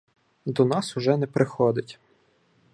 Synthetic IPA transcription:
d̪ɔnɑsʊʒɛnɛpɾʔɪxɔd̪ɪtʲ

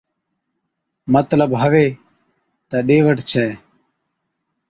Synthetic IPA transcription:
mət̪ləbɦəʋeː | t̪aːɗeːʋəʈt͡ʃʰɛː

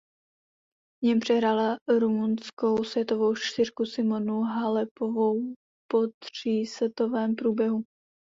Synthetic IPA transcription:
vɲɛmpr̥ɛɦɾalaɾumunsko̞wsvjɛt̪ovo̞wʃt̪ɪrkusɪmonuɦalɛpovow | pot̪r̥iːsɛt̪ovɛːmpɾuːbjɛɦu

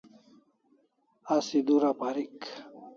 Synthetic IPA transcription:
asid̪uɾapaɾik

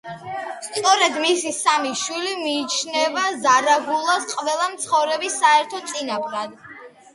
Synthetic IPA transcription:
st̪ʼɔɾɛd̪misisamiʃwilimiːt͡ʃʰnɛvazaɾaɡulˠasqʼvɛlˠamt̪sʰχɔvɾɛbisːaɛɾt̪ʰɔt̪sʼinapɾad̪

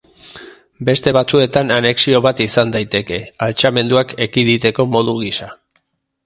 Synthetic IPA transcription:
be̞st̪e̞βat͡sue̞t̪anane̞ksio̞βat̪isand̪ajt̪e̞ke̞alt͡ʃame̞nd̪uake̞kiðit̪e̞ko̞mo̞ðuɣ̞isa

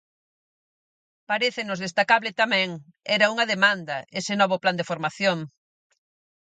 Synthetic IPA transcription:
paɾeθɪnʊzð̞est̪akaβlɪt̪amɛ̃ŋ | ɛɾɐuŋɐðemand̪ɐesɪnɔβ̞ʊpland̪efoɾmaθjoŋ

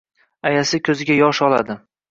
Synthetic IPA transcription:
ajasɪkʲʰɵzɪɡʲajɒʃɒlˠa̰d̪ɪ

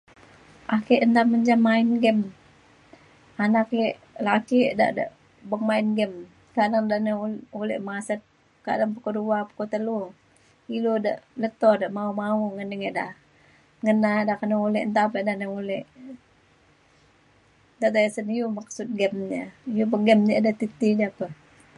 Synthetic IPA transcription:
ʔakeʔənt̪aməɲd͡ʒamːaɪnɡɛm | anakeʔ | lakiʔda̰ʔda̰ʔ | bəŋmaɪnɡəm | kadaŋdaʔnəulɛ̰ʔmasət̪̚ | ka̰daŋpəkəduapə̥kot̪əlu | ilodaʔlət̪ɔdaʔmaumauŋənəŋeʔda̰ʔ | ŋənadakanəulɛʔnt̪apɛʔdaʔnəulɛʔ | daʔd̪ajəsənijumaksut̪̚ɡɛmɲəijubəɡɛmɲədat̪it̪idapə

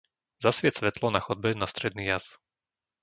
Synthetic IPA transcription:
zasʋɪɛsʋɛt̪lɔnaxɔd̪̚bɛnast̪ɾɛd̪niːjas

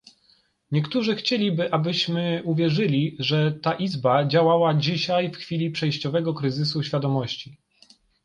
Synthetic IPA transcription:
ɲɛkt̪uʐɘxt͡ɕelʲibɘʔabɘɕmɘuvʲjɛʐɘlʲiʐɛt̪aʔizbad͡ʑawawad͡ʑiɕajfxfʲilʲipʂɛjɕt͡ɕɔvɛɡɔkɾɘzɘsuɕfʲjad̪ɔmɔɕt͡ɕi

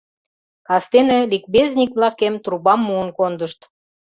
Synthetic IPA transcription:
kɑst̪enĕlʲik̚beznʲikβlɑkemt̪rubɑmːuənkond̪əʃt̪

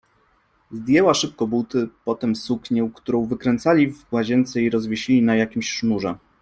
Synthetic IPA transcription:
zd̪ʲjɛwaʂɘp̚kɔbut̪ɘpɔt̪ɛmsukɲɛwkt̪uɾɔ̃w̃vɘkɾɛnt̪salʲivɡwaʑɛnt̪sɛiɾɔzvʲeɕilʲinajakʲimɕʂnuʐɛ

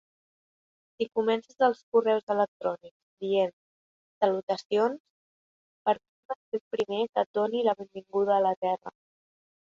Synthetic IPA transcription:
sikumɛnsəzəlˠskurɛwzələk̚t̪ɾɔnikz̥d̪ien | səlut̪əsions | pəɾpɛməsepɾimekət̪̚d̪oniləβembiŋɡuðəːlət̪ɛrə̰

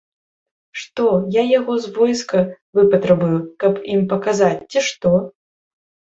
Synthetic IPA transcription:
ʂt̪ɔjajaɣɔzvɔjskɐvɨpɐt̪ɾɐbujukɐpimpɐkazat͡sʲt͡sʲiʂt̪ɔ

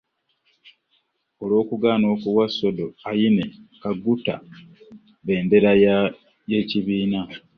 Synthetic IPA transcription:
o̞lo̞ːkuɡaːno̞ːkuwaso̞do̞ajine̞kaɡuta̰ | βe̞ːnde̞ɾa | je̞ːciβiːna

